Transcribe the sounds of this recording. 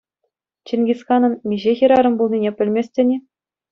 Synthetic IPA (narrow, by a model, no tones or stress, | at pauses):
t͡ɕĕnʲɡʲisxɑnɤ̆nmʲiʑexʲiɾɑɾɤ̆mbulˠnʲinʲepʲɘ̆lʲmʲesʲtʲɘ̆nʲĕ